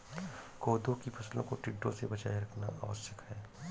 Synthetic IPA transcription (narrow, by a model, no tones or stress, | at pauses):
koːd̪õkipʰɐslõkoʈɪɖːõ̰sebɐt͡ʃa̰ːiɾɐkʰnaʔaʋəsjəkɦɛː